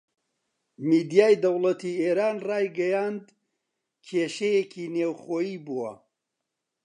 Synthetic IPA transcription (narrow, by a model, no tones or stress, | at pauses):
miːd̪ijaːjd̪ɐwlˠɐt̪ʰieːɾaːnrɑːjɡɐjaːnd̪ | kʰeːʃejekʰiːneːwχoːjiːbuwɐ̰